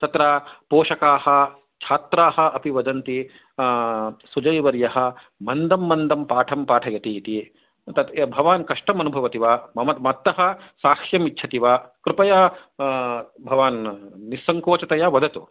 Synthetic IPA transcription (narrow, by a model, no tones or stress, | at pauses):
t̪ɐt̪ɾaːpoːʃɐkaːhɐ̆ | t͡ʃʰaːt̪ɾaːɦɐ̆ʔɐpiʋɐd̪ɐnt̪i | sud͡ʒɐjʋɐɾjɐɦɐ̆ | mɐnd̪ɐmːɐnd̪ɐmpaːʈʰɐmpaːʈʰɐjɐt̪iːt̪i | t̪ɐt̪bʱɐʋaːnkɐʂʈɐmɐnubʱɐʋɐt̪iʋaːmɐmɐmɐt̪ːɐɦɐsaːkʂjɐmitːt͡ʃʰɐt̪iʋaːkɾɪpɐja | bʱɐʋaːnːisːɐŋkoːt͡ʃɐt̪ɐjaːʋɐd̪ʱɐt̪ṵ